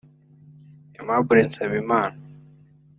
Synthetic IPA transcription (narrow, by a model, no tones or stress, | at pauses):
emabuɾensaβimaːna